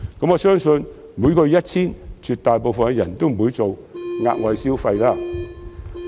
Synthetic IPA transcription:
kɐ˨˥mŋɔː˨˧sœː˥ŋsɵ˧n | muː˨˧jkɔː˧jɐ˥t̚t͡sʰiː˥nt͡sʰyː˨t̪̚aː˨jp̬o˨˧wfɐ˨nɛ˧jɐ˨˩nt̪o˥wm̩˨˩u˨˥jt͡so˨wŋa̰ː˧t̚wɐ˨˧jsiː˥wfa˧jlaː˥

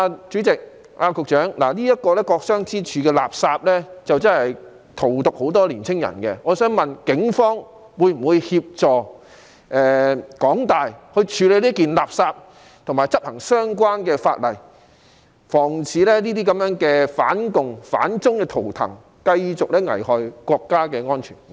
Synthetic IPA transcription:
a˧t͡ʃyː˨˥t͡sɪ˨k̚ | ʔaː˧kʊ˨k̚t͡ʃœː˨˥ŋla̰ː˨˩liː˥jɐ˥t̚kɔː˧lɛː˥kɔː˧k̚sœː˥ŋt͡sʰiː˥t͡ʃʰyː˨˧kɛː˧la̰ː˨˩p̚saː˧p̚lɛː˥t͡sɐ˨wt͡sɐ˥nhɐ˨j | t̪ʰo˨˩wt̪ʊ˨k̚ho˨˥wt̪ɔː˥liː˨˩nt͡sʰɪ˥ŋjɐ̰˨˩nkɛ˧ŋɔː˨˧sœː˨˥ŋmɐ˨nkɪ˨˥ŋfɔː˥ŋ | wuː˨˧jm̩˨˩wuː˨˧jhiː˧p̚t͡sɔː˨˩ | ʔɛː˨kɔː˨˥ŋt̪aː˨jhɵ˧ɥt͡ʃʰyː˨˧le˨˧jliː˥kiː˨nlaː˨˩p̚saː˧p̚ | t̪ʰʊ˨˩ŋmaː˨jt͡sɐ˥p̚hɐ˨˩ŋsœː˥ŋk̬waː˥nkɛː˧fa̰ː˧t̚lɐ˨˩j | fɔː˨˩ŋt͡sʰiː˨˧lɛː˥niː˥t̪iː˥kɐ˨˥mjœː˨˥ŋkɛː˧faː˨˥nkʊ˨ŋfa̰ː˨˥nt͡sʊ˥ŋkɛː˧t̪ʰo˨˩wt̪ʰɐ̰˨˩ŋ | kɐ˧jt͡sʊ˨k̚lɛː˥ŋɐ̰˨˩jhɔː˨˩jkʷɔː˧kːaː˥kɛː˧ŋɔː˥nt͡ʃʰyː˨˩n

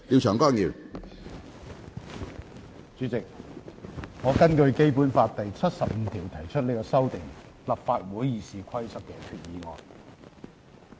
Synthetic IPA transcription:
liː˧wt͡ʃʰœː˨˩ŋkɔː˥˩ŋjiː˨˩w | t͡ʃyː˨˥t͡sɪ˨k̚ | ŋɔː˨˧kɐ˥nkɵ˧ɥke˥jpuː˨˥nfaː˧tt̪ɐ˨jt͡sʰɐ˥t̚sɐ˨p̚m̩˨˧t̪ʰiː˨˩wt̪ʰɐ˨˩jt͡ʃʰɵ˥t̚le˨˧˥kɔː˧sɐ˥wt̪ɪ˨˩ŋ | lɐ˨p̚faː˧t̚wuː˨˥jjiː˨siː˨kʷʰɐ˥jsɐ˥k̚kɛː˧kʰyː˧t̚jiː˨˧ŋɔ̰ː˨j

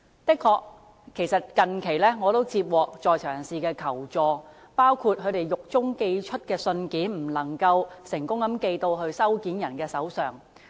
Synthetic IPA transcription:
t̪ɪ˥kʰːɔː˨˧k | kʰːe˨˩jsɐ˨t̚kɐ˨nkʰe˨˩jlɛː˥ŋɔː˨˧t̪o˥wt͡sʰiː˧p̚wɔː˨k̚t͡sɔː˨jt͡ʃʰœː˨˩ŋsiː˨˧kɛː˧kʰɐ˨˩wt͡sɔː˧ | paː˥wkʰuː˧t̚ɦɵ˨˧t̪e˨jjʊ˨k̚t͡sʊ˥ŋke˧jt͡ʃʰɵ˥t̚kɛː˧sɵ˧nkiː˨˥nm̩˨˩lɐ˨˩ŋkɐ˧wsɪ˨˩ŋkʊ˥ŋkɐ˨˥mke˧jt̪o˧wɦɵ˧ɥsɐ˥wkiː˨˥njɐ˨˩nkɛː˧sɐ˨˥wsœː˨˩ŋ

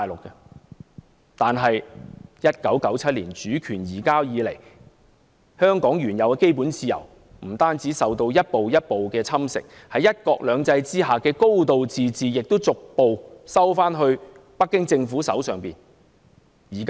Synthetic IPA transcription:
aː˨jlʊ˨kːɛ˧ | t̪aː˨nɦɐ˨jjɐ˥t̚kɐ˨˥wkɐ˨˥wt͡sʰɐ˥t̚liː˨˩nt͡ʃyː˨˥kʰyː˨˩njiː˨˩kaː˥jiː˨˧le˨˩j | hœː˥ŋkɔː˨˥ŋjyː˨˩njɐ˨˧wkɛ˧˥ke˥jpuː˨˥nt͡siː˧jɐ̰˨˩w | m̩˨˩t̪aː˥nt͡siː˨˥sɐ˨wt̪o˧wjɐ˥t̚po˨wjɐ˥t̚po˨wkɛː˧t͡sʰɐ˥msɪ̰˨k̚ | hɐ˨˥jɐ˥t̚kɔː˧k̚lœː˨˧ŋt͡sɐ˧jt͡siː˥ɦaː˨˩kɛː˧ko˥wt̪o˨wt͡siː˨t͡siː˨jɪ˨k̚t̪o˥wt͡sʊ˨k̚po˨wsɐ˥wfaː˥nɦɵ˧ɥ | pɐ˥kːɪ˥ŋt͡sɪ˧ŋfu˨˥sɐ˨˥wsœː˨ŋpiː˨n | jiː˨˩kː

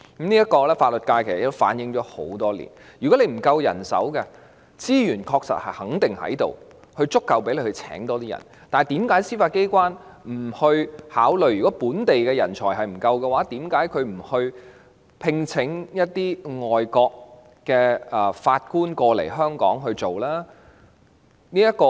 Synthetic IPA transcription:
m̩niː˥jɐ˥tkɔː˧lɛː˥faː˧t̚lə˨˩t̚kaː˧jkʰe˨˩sɐ˨˩t̪o˥wfa̰ː˨˥njɪ˨˧ŋt͡ʃɔː˨˥ho̰˨˥wt̪ɔː˥lḭː˨˩n | jyː˨˩kɔ˨˥le˧m̩˨˩kɐ˧wjɐ̰˨˩nsɐ̰˨˥wkɛ˧ | t͡siː˥jyː˨˩nkʰɔː˧k̚sɐ̰˨t̚hɐ˨˩jhɐ˨˥ŋt̪ɪ˨ŋhɐ̰˨˥jt̪o˨w | hɵ˧ɥt͡sʊ˥kːɐ˨wp̬e˨˥jle˧hɵ˧t͡sʰɛ̰ː˨˥ŋt̪ɔː˥t̪iː˥jɐ̰˨˩n | t̪aː˨t̪iː˨˥mkaː˨˥jsiː˥faː˧t̚ke˥jkʷwaː˥nm̩˨˩hɵ˧ɥhaː˨˥wlɵ˨˩ɥjɥyː˨˩kɔː˨˥puː˨˥nt̪e˨jkɛː˧jɐ̰˨˩nt͡sʰɔ̰ː˨˩jɦɐ˨jm̩˨˩kɐ˧wkɛ˧waː˨˥t̪iː˨˥mkaː˨˥jkʰɵ˨˧ɥm̩˨˩hɵ˧ɥ | pʰɪ˧ŋt͡sʰɪ˨˧˥ŋjɐ˥t̚t̪iː˥ŋɔː˨jkɔː˧k̚ː | ɛː˧˨faː˧t̚kuː˥nkɔː˧lḛ˨˩jɦœː˥ŋkɔ̰ː˨˥ŋɦɵ˧ɥt͡so˨wlaː˥ | niː˥jɐ˥kɔː˧

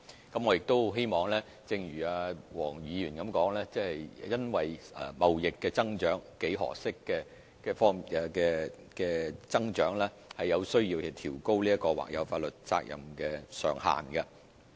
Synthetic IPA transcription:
kɐ˨˦mŋɔː˨˧jɪ˨k̚t̪o˥wɦe˥jmɔː˨˩ŋlɛː˥ | t͡sɪ˧ŋjyː˨˩aː˧wɔː˨˩ŋjiː˨˧jyː˨˩nkɐ˨˦mkɔː˨˥ŋlɛː˥t͡sɛ˥hɐ˨jjɐ˥nwɐ˨jɛ˨mɐ˨wjɪ˨kːɛː˧t͡sɐ˥ŋt͡ʃœː˨˥ŋke˨˥jɦɔ̰ː˨˩sɪ˥kːɛː˧ | kɛː˧fɔː˥ŋi˨ɛ˧kɛː˧ | kɛː˧t͡sɐ˥ŋt͡ʃœː˨˥ŋlɛː˥ | hɐ˨jːɐ˨˧wsɵ˥ɥjiː˧wɐ˨t̪ʰiː˨˩wko˥wliː˥ɐ˥kɔː˧wa̰ː˨k̚jɐ̰˨˧wfaː˧t̚lɵ˨t̚t͡sa̰ː˧k̚jɐ̰˨˩mkɛː˧sœ̰ː˨˩ŋha̰ː˨˩nkɐ˧

